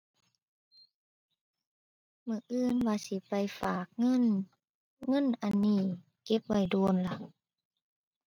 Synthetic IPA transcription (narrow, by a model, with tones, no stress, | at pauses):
mɯ˧˩ʔɯː˧˨nwaː˧˩si˧˦pa˨jfaː˨˩k̚ŋɤ˧˥˨n | ŋɤ˧˥˨nʔa˧˨nːiː˧˩ | ke˧˦p̚ʋa˧˩jduː˧nla˧˩ʔ